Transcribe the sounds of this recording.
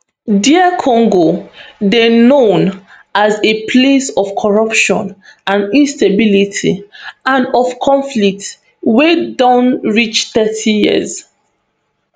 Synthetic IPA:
diəkʰɔ̃ŋɡodenõn | azepʰlesɔfkʰɔɹʌpʃɔ̰̃nãnĩnstabilitʰḭãnɔvkʰɔ̃ɱflik̚t | wedɔ̃nɹit͡ʃθɛtʰijiə̰z

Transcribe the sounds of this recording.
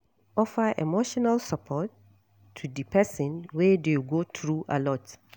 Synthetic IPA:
ʔɔfəʔḛmoʃɔnalsəpʰɔtʰː | udɨpʰɛsə̃nwɛdeɡotɹuʔa̰lɔt

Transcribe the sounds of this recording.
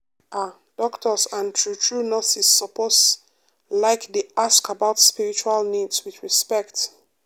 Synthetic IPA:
ʔa | d̥ɔktʰɔsãntʰɹutʰɹunɔsisːɔpɔs | laɪkdiʔaskəbaʊtspiɹit͡ʃualnidswiθɹispɛkt

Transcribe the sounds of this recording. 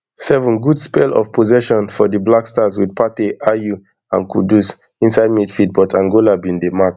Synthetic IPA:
sɛvɔ̃nɡudspelɔ̰fpʰozɛʃɔ̃nfɔdiblakstaswidpateʔaju | ãnkʰudus | ĩnsaɪd̚midfid̚bɔtʰãŋɡolabĩndemak

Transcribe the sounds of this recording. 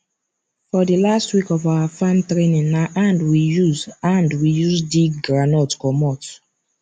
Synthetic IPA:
fɔdilastwikɔvawafãmtɾenĩnnaʔãndwijuzãndwijuzdiɡɹanɔtkɔmɔt

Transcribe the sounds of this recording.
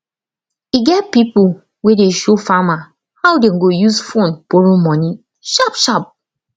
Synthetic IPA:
iɡɛtpipʊ | wedeʃofama | hawdeŋ̩ɡojuzfonpoɾumɔni | ʃapʃap̚

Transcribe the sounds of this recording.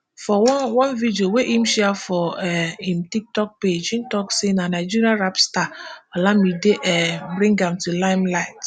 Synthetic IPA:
fɔwɔ̃nvidioweʔimʃɛafɔɛimtik̚tɔk̚ped͡ʒĩmtɔksenanaɪd͡ʒiɾiaɹapstaɔlamideʔɛbɾĩŋɡãmtulaɪmlaɪt

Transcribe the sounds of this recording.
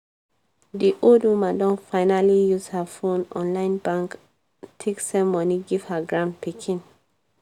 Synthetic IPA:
diʔoldwumãndɔ̃nfaɪnalijuzhafõnɔ̃nlãɪ̃nbãŋk | tʰeksɛ̃mmɔniɡiv̥haɡɹãnpikʰĩn

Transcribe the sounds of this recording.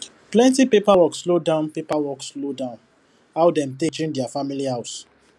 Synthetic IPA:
plɛ̃ntipepawɔkslodãʊ̃npepawɔkslodãʊ̃n | haʊdɛ̃mtet͡ʃĩndɛafamilihaʊs

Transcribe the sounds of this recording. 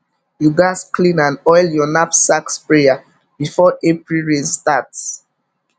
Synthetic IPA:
juɡasklĩnãnɔjljɔnapsakspɹeja | b̥ifɔʔepɹilɹistats

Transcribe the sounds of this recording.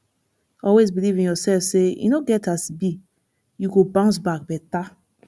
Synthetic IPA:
ɔlwezbilivĩnjɔsɛlfsejṵnoɡɛtʰasbi | juɡobãʊ̃ns̬bak̚bɛta

